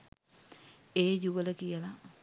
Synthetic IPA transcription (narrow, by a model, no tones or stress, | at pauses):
eːd͡ʒuʋələkijəla